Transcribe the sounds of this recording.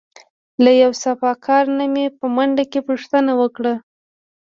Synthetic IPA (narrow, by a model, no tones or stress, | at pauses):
lajawsafɑkʰɑɾnamepəmaɳɖakepuʂt̪ənawəkɽa